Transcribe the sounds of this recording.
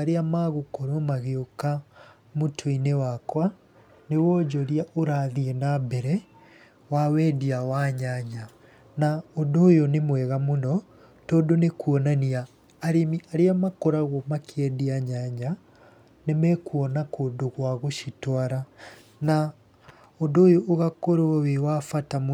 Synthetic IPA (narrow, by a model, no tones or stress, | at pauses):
aɾeamaɣokɔɾɔmaɣeoka | motʰoinewakwa | newɔd͡ʒɔɾiaʔoɾaːðiɛnabɛɾɛ | wawɛːdiawaɲaɲa | naondoːjɔnemwɛɣamonɔ | tɔːndonekuɔnaniaː | ɾemiʔaɾeamakɔɾaɣɔmakʰeɛdiaɲaɲa | nemɛkuɔnakoːdoɣwaɣoʃitwaɾa | na | ondoːjoʔːɣakoɾowewafatam